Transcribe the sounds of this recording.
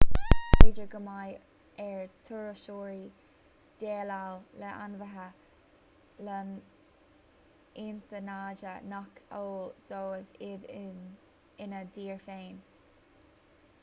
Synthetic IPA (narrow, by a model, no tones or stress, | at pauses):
ɪd͡ʒəɹɡəmaj | ɛɹt̪ʰuɹəʃoːɹi | d̪̥eːlawlɛʔa̰nvəɦə | lən | ɪnt̪ənaːd͡ʒənɔkʰoːd̪̥oːəvɪd̪ | ɪnəd̪iːɹfeːn